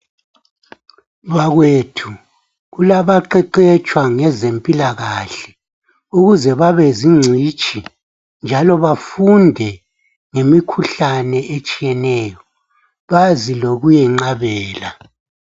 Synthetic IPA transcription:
βaɣwetʰu | ɣulaβaǃɛǃɛt͡ʃʼwaŋɛzempʼilaɣaɬɛ̥ | uɣuzɛβaβeziŋ͡ǀʱit͡ʃʼʰi | nd͡ʒʱalɔβafundʱɛ | ŋemikʰuɬanɛet͡ʃʼijɛnɛːjɔ | βaziloɣujɛŋ͡ǁaβɛːla

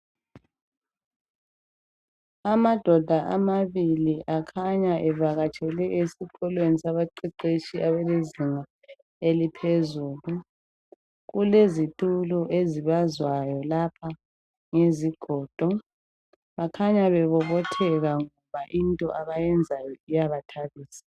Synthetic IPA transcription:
amad̥ʱɔd̥ʱaʔamaβiliʔakʰaɲaʔɛvaɣat͡ʃʼɛlɛʔesikʰɔlwenisaβaǃiǃet͡ʃʼiʔaβɛleziŋa | elipʰezuːlu | ɣulezitʼuluʔeziβazwajɔlapʰa | ŋeziɡ̥ʱɔːd̥ʱɔ | βakʰaɲaβɛβɔβɔtʰɛɣaŋɔβaʔintʼɔ̰ʔaβajɛnd͡zʱajɔijaβatʰaβiːsḁ

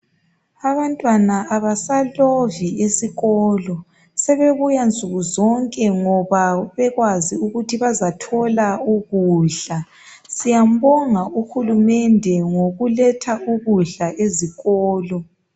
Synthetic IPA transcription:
aβantʼwanaːβasaloviesiɣɔːlɔ | sɛβeβujand͡zʱʼuɣuzɔŋkʼɛŋɔβaβɛɣwaziuɣutʰiβazatʰɔlauɣuːɮa | sijambɔŋaʔuxulumɛndʱɛŋoɣulɛtʰauɣuɮaʔeziɣɔːlɔ

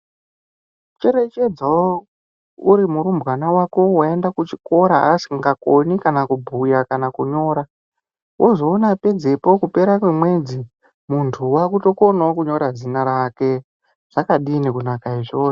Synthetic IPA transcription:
t͡ʃe̞ɾe̞t͡ʃe̞d͡zao | uɾimuɾumbwanawako̞wae̞ndakut͡ʃiko̞ɾa̰siŋɡakonikanakubʱujakanakuɲo̞ːɾa | wʔo̞zo̞ːnape̞d͡ze̞pokupe̞ɾakwemwe̞d͡zi | muntʰuwakuto̞ko̞naokuɲo̞ɾad͡zinaɾake̞ | ʐ̥akaɗiːnekunakaiʐoːo

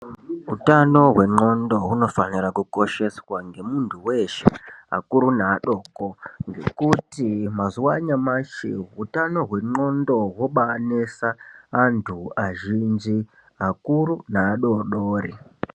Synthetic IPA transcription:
ɦutano̞ɦwe̞ŋ͡ǃo̞ndo̞ɦuno̞fanirakuko̞ʃe̞swaŋɡe̞muntʰuwe̞ʃea̰kuɾunaːɗo̞ːko̞ŋɡe̞kutimazuwaɲamaʃḛutano̞ɦwe̞ŋ͡ǃo̞ndo̞wo̞ɓanesaːntʰuaʒind͡ʒi | akuɾunaːɗo̞ɗoːri

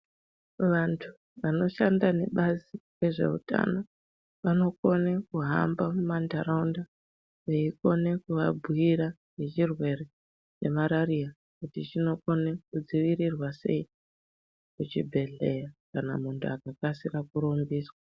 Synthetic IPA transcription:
ʋantʰu | ʋano̞ʃandane̞ɓazire̞ʐe̞̰ṵta̰no | ʋano̞ko̞nekuɦa̰mbamumandaɾaunda | ʋeiko̞ne̞kuʋabʱuiɾa | ne̞t͡ʃirwe̞ɾe̞ | t͡ʃe̞maɾaɾija | kutit͡ʃino̞ko̞nekud͡ziʋiɾirwase̞̰i | kut͡ʃibʱe̞ɮe̞jakana̰muntʰuakakasirakuɾombiːswa

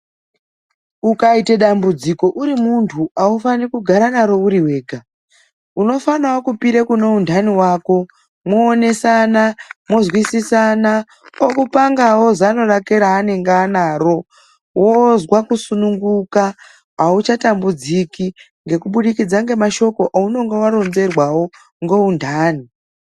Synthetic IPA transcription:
ukaite̞ɗambud͡ziko̞ʔuɾimuntʰuʔaufanikuɡʱaɾanaɾo̞uɾiwe̞ːɡʱa | uno̞fanawokupiɾekunoundʱaniwaːko̞ | mwoːne̞sanamozwisisana | okupaŋɡawo̞zano̞rakeɾaːne̞ŋɡanaːɾo̞ | wozwakusunuŋɡuka | aut͡ʃatambud͡ziki | ŋɡe̞kuɓuɗikid͡zaŋɡe̞maʃo̞ko̞ʔauno̞ŋɡewaɾo̞nze̞rwawo̞ | ŋɡo̞undʱaːni

